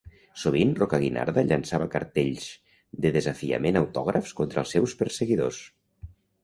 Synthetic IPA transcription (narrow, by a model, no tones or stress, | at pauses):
suβ̞inrokəɣina̰ɾðəʎansaβəkə̰ɾt̪eʎz | d̪əðəzafiə̰menawt̪ɔɣɾəfskont̪ɾəlˠsɛwspəɾseɣiðos